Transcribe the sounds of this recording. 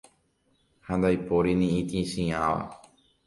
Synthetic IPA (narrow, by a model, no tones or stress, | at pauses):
hãnd̪ajpoɾinĩĩt̪ĩʃĩãʋa̰